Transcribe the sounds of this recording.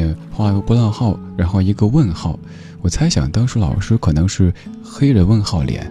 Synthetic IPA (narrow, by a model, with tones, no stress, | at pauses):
ɛ˥˩xwla˧˥˧pu˥˧lɑ˥˧ŋxɑ˥˩ʊɻa˧˥nxo˥˩ʊi˧˥ɡə˧wə˥˧nxɑ˥˩ʊ | wɔ˨˩t͡sʰa˧˥ɪɕjɑ̰˨˩ŋt̪ɑ˥ŋʂɻ̩˧˥lɑ̰˨˩ʊʂɻ̩˥kʰɤ˨˩nɤ˧˥ŋʂɻ̩˥˩ | xe˥ɪd̪ə˧wə˥˧nxɑ˥˩ʊljɛ̰˧˩˥n